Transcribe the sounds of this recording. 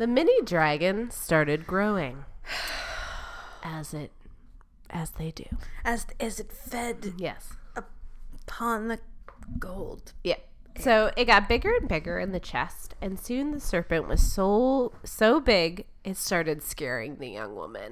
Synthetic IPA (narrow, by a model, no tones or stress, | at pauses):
ðɨmɪnidɹæɡɨ̃nstɑɹɾɨd̚ɡɹoʊɪ̃ŋ | ʔɨzɪt̚ | ʔɨzðeɪdʉ̰ɨzɪzɨtfɛdjɛsəpʰɑ̃nðɨɡ̥oʊlˠd̥jæ | soʊʔɪt̚ɡ̥ɑt̚b̥ɪɡə˞ɨ̃nbɪɡə˞ɨ̃nðɨt͡ʃʰɛ̰stɨ̃nsʉ̃nðɨsɜ˞pɨ̃nʔwʌ̰z̥soʊsoʊbɪɡ | ʔɨtstɑɹɾɨd̥skɛɹɪ̰̃ŋðɨjʌ̰̃ŋwʊ̰mɨ̰̃n